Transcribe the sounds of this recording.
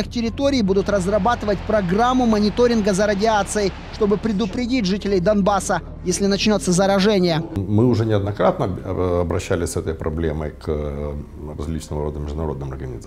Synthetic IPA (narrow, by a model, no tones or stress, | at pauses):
ɨxtʲɪɾʲɪt̪o̞ɾʲɪjbud̪ʊt̪rəzrɐbat̪ɨvət̚ʲpɾɐɡamːʊmənʲɪt̪o̞ɾʲɪnɡəzəɾədʲɪat̪sɨjɪ | ʂt̪o̞bɨpɾʲɪd̪ʊpɾʲɪdʲitʲʐɨtʲɪlʲɪjd̪ɐnbasə | jesʲlʲɪnɐt͡ɕnʲo̞t̪sːəzɐɾɐʐɛnʲɪjəmɨʊʐɛnʲɪɐd̪nɐkɾat̪nəɐbɾɐɕːælʲɪsʲsɛt̪əjpɾɐ̰blʲeməjk | ɾɐ̰zʲlʲit͡ɕnəvəɾo̞d̪əmʲɪʐd̪ʊnɐɾo̞d̪nɨmɐ̰rɡənʲɪ̰z